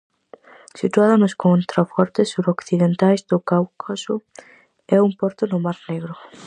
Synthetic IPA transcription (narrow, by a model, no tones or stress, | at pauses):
sit̪uaðonoskont̪ɾafɔɾt̪esːuɾokθiðent̪ajzd̪ʊkawkʰosʊ | ɛumpɔɾt̪ʊnʊmaɾneɣɾʊ